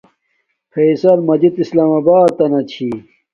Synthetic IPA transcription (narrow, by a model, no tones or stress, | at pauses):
fʰeːsɐlmɐd͡ʑit̪islaːmɐbaːt̪ːɐnɐt͡ɕʰi